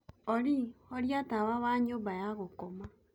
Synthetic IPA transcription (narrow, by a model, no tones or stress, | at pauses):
oɾioɾjatawaβaɲoːmbajaɣokoma